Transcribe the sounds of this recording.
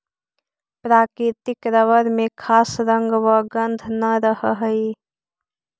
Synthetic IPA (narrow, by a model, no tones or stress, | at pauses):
pɾaːkɾit̪ɪkɾəʋəɾmẽkʰaːsɾəŋɡʋəɡənd̪ʱnəɾəɦəɦəi